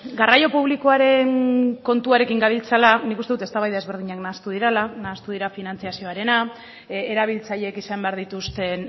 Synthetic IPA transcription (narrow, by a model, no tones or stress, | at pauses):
ɡarajo̞puβ̞likoaɾe̞nko̞nt̪uaɾe̞kiŋɡaβilt͡salanikust̪eut̪e̞st̪aβajðae̞zβe̞ɾðiɲaknaːst̪uðiɾelanaːst̪uðiɾafinant͡siasio̞aɾe̞na | eɾaβ̞ilt͡saʎekisambeaɾðit̪ust̪e̞n